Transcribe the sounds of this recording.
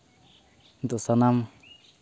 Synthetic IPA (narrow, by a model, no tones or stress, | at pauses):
nd̪usanam